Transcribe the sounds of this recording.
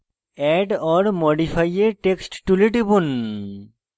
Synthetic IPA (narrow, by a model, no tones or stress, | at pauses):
ɛɖɔɾmoɖipʰajeʈeksʈʈuleʈibun